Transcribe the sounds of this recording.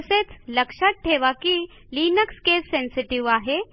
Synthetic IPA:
set͡sləkʂat̪̚ʈʰeʋakiː | linəkskesːensiʈiʋaɦe

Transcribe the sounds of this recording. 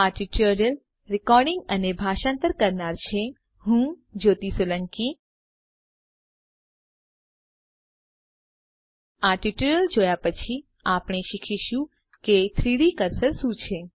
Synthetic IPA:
aʈiʈəɾəl | ɾɪkɔɾɖɪŋɡənebʱaʃãnt̪əɾkəɾnaɾt͡ʃʰe | ɦũd͡ʒot̪isoləŋki | aʈiʈuɾəld͡ʒojapət͡ʃʰi | apɽ̃eʃikʰiʃũ | ket̪ʰɾiɽikəɾsəɾsũt͡ʃʰe

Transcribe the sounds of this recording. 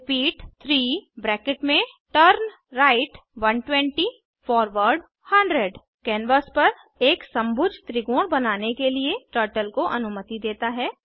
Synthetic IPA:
piːʈt̪ʰɾiːbɾɛːkɪʈmẽ | ʈəɾn | ɾaːɪʈʋɐ̃nʈwɛ̃ːɳʈi | fɔːɾʋəɾɖ | hɐ̃ɳɖɾeɖ | kɛːnʋəspɐɾ | eːksɐ̃mbʱʊd͡ʒʱt̪ɾɪɡõːɽbɐnaːnekelieʈəːɾʈəlkoʔɐnʊmət̪id̪eːt̪aɦɛː

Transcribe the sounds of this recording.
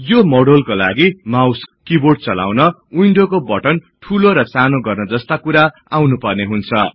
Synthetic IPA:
jomoɽolkola̰ɡimawskkiboɽ̚t͡sʌla̰wnʌujɳɖokobʌʈʌn | ʈʰuloɾʌsanoɡʌrnʌd͡zʌst̪akuɾa | awnupʌrneɦunt͡sʰʌ

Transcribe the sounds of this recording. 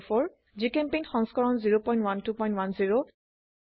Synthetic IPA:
fɔɹ | zikempenxɔ̃ŋskɔɹɔnziɹopɔ̃j̃ntwantupɔj̃ntwanziɹo

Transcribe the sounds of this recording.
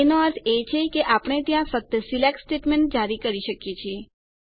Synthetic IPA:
enoəɾt̪ʰet͡ʃʰekeʔapəɽ̃et̪jãfək̚t̪əsilek̚ʈsʈeʈmeɳʈ̚d͡ʒaɾikəɾiʃəkjet͡ʃʰie

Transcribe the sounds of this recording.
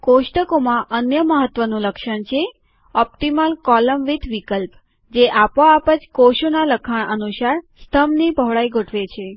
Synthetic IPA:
koʃʈəkomãʔənjəməɦət̪ːʋənũləkʃəɳt͡ʃʰe | ɔp̚ʈiməlkɔləmʋit̪ʰʋikəlp | d͡ʒeʔapoapəd͡ʒkoʃonaləkʰaɳ̃ʔənuʃaɾst̪ʰəmnibʱəʋɭaiɡʱoʈʰʋet͡ʃʰe

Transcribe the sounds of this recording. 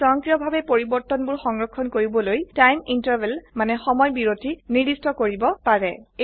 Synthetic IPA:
ɔŋkɹijɔbʱabɛpoɹibɔɹt̪ɔnbʊɹxɔŋɹɔkʰːɔnkoɹibɔlojtajmintaɹbɛlmanɛxɔmɔjbiɹotiniɹdistɔkoɹibɔpaɹɛ

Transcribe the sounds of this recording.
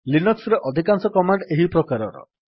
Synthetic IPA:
linɔksɾeʔɔd̪ʱikansɔkɔmaɳɖeɦipɾɔkaɾɔ̰ɾɔ̰

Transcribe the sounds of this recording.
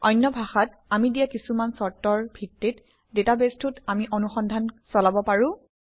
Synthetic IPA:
ɔjnːɔbʱaxat | amidijakisumansɔɹtːɔɹbʱitːit | detabestutamiʔɔnuxɔndʱansɔlabɔpaɹʊ̃

